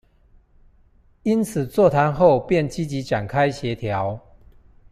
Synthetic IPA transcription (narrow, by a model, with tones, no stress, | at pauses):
i˦nt͡s̩ʰ˨˩t͡swɔ˥˨t̪ʰa˨˦nxo˥˨˧ʊpjɛ˥˨nt͡ɕi˦t͡ɕi˨˦ʈ͡ʂa˨˩nkʰa˦ɪɕjɛ˨˦t̪ʰja˨˦ʊ